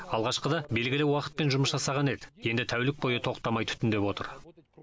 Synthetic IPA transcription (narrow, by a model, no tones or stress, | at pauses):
ɑlˠʁɑʃqəd̪ɑbe̞lɡʲɪlɪwɑqə̥t̪̚pe̞nʒʊməsʒɑsɑʁɑne̞d̪ɪje̞nd̪ɪt̪ʰæwlɪk̚bo̞jət̪ʰo̞qt̪ːɑmɑjt̪ʰʏ̥t̪ɪnd̪e̞pwo̞t̪ə̰ɾ